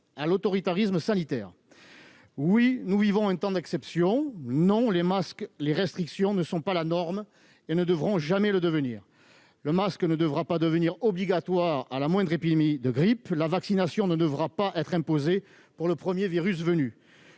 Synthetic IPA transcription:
alot̪ɔʁit̪aʁisməsanit̪ɛːʁ | winuvivɔ̃ɛ̃t̪ɑ̃d̪ɛksɛpsjɔ̃nɔ̃lemaskleʁɛst̪χiksjɔ̃nəsɔ̃palanɔʁm | enəd̪əvʁɔ̃ʒamɛləd̪əvəniːʁ | ləmasknəd̪əvʁapad̪əvəniʁɔbliɡat̪waʁalamwɛ̃d̪ʁepid̪emid̪əɡʁiplavaksinasjɔ̃nəd̪əvʁapaʔɛt̪χɛ̃poze | puʁləpχəmjeviʁys̬vəny

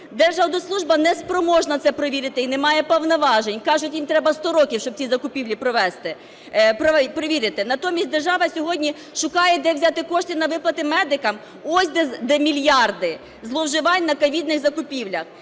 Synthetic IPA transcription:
d̪ɛrʒɑwnɔslˠuʒbɐnɛspɾɔmɔʒnɐt̪sɛpɾɔʋʲiɾʲɪt̪ɪinɛmɑjɛpɔwnɐʋɑʒenʲkɑʒʊtʲjimt̪ɾɛbɐst̪ɔɾɔkʲiwʃt͡ʃɔb̚t͡sʲizɐkʊpʲiwlʲipɾɔʋɛst̪ɪ | pɾɔpɾɔʋʲiɾʲɪt̪ɪnɐt̪ɔmʲis̚ʲd̪erʒɑʋɐsʲɔɦɔdʲnʲi | ʃʊkɑjɛd̪ɛwzʲɑt̪ɪkɔʃt̪ʲɪnɐʋɪplˠɐt̪ɪmɛd̪ɪkɐm | ɔsʲd̪ɛd̪ɛmʲilʲjɑrd̪ɪ | zlˠɔwʒɪʋɑnʲnɐkɐʋʲid̪nɪxzɐkʊpʲiwlʲɐx

